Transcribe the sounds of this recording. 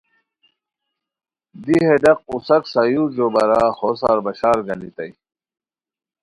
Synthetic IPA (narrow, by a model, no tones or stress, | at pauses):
d̪iɦed̪ɐq̚usɐksɐjud͡ʑobɐɾahosa̰ːɾbɐɕaːɾɡɐnit̪ɐj